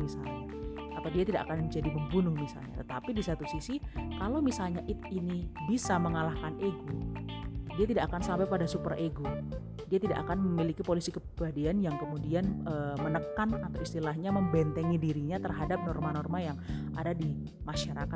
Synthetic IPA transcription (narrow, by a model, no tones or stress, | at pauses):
misa̰lɲa | at̪awdiat̪ida̰ʔa̰kanmd͡ʒadiməmbunʊŋmisa̰lɲa̰t̪ət̪apidisat̪usisikalowmisalɲaʔɪt̪̚inibisaməŋalahkanʔeɡo | diat̪idaʔakansampajpadasupərʔeɡo | diat̪ida̰ʔakanməmilikipolisikəpɾibadianjaŋkəmudianəːmənəkanat̪awist̪ilahɲaməmbɛnt̪əŋidiɾiɲat̪ərɦadap̚nɔrmanɔrmajaŋ | a̰dadi | maʃaɾaka